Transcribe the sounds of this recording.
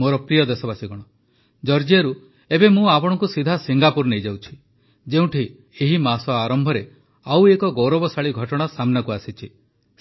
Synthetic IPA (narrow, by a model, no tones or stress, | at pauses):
moɾɔpɾijɔd̪esɔbasiɡɔɽ̃ɔ | d͡ʒɔɾd͡ʒiaɾu | ebemũapɔɽ̃ɔŋkusid̪ʱasiŋɡapuɾnejd͡ʒawt͡ʃʰi̥ | d͡ʒeũʈʰi | eɦimasɔaɾɔmbʱɔɾe | awekɔɡowɾɔbɔsaɭiɡʱɔʈɔɽ̃asamnakuasit͡ʃʰi